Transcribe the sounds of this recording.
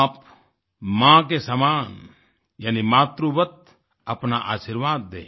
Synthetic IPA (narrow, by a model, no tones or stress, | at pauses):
p | mãk̬esamaːn | jaːnimaːt̪ɾubət̪̚ | ɐpnaʔaːsiɾʋaːd̪ːḛː